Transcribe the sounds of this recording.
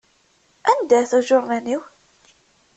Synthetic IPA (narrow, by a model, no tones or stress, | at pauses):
ænd̪æθuʒʊɾnæniw